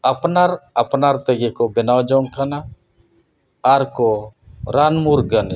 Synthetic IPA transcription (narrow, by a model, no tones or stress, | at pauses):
apnaɾapnaɾt̪ɛɡekɔbɛnawd͡ʒɔŋkʰana | ɾkɔɾanmuɾɡən